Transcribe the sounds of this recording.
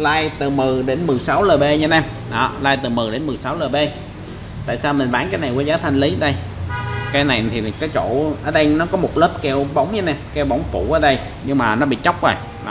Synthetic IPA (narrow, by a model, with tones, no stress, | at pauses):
laː˧jt̪ɨ˨˩mɨ˨˩ɗe˨˦nmɨ˨˩jsa˨˦wləː˨˩ɓe˧ɲə˧nɛ˧˩m | ɗɔ˨˦laː˧jt̪ɨ˨˩mɨ˨˩ɗe˨˦nmɨ˨˩jsa˨˦wləː˨˩jɓe˧ | t̪a̰ː˧˨saː˧wmi˨˩n̟ɓaː˨˦nkaː˨˦jna˨˩jkuː˨˦zaː˨˦t̪ʰa˧ŋ̟li˨˦˧ɗə˧j | kaː˨˦jna˨˩jt̪ʰi˨˩kaː˨˦jt͡ɕo̰˧˨ʔəː˧˩ɗə˧jnɔ˨˦kɔ˨˦mo˨˩t̚ləː˦˥p̚kɛ˧wɓə˨˦wŋ͡mɲə˧nɛ˧mkɛ˧wɓə˨˧˦wŋ͡mfu˧˩ʔəː˧˦ɗə˧j | ɲɨ˧ŋmaː˨˩nɔ˨˦ɓḭ˧˨t͡ɕə˦˥wk͡p̚vo˨˩j | ɗɔ̰˨˦